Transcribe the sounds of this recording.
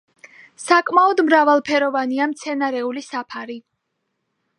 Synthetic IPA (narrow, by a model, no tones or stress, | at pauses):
sakʼmaɔd̪mɾavalˠpʰɛɾɔvaniamt̪sʰɛnaɾɛulisapʰaɾi